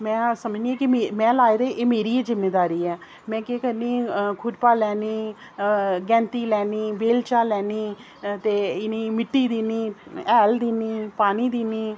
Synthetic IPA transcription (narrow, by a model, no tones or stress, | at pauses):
mɛ̃ːsəməd͡ʒniːɛ̃ːkɪmemɛ̃ːlaːed̪eːʔeːmeːɾiːeːzɪmːeːd̪aːɾiːɛː | mɛ̃ːkeːkəɾniːkʰʊɖpaːlɛːniː | ɡɛ̃ːnt̪iːlɛːniːbeːlt͡ʃaːlɛːniː | t̪eːɪniːmɪʈːiːd̪iːniːɛːld̪iːniːpaːniːd̪iːniː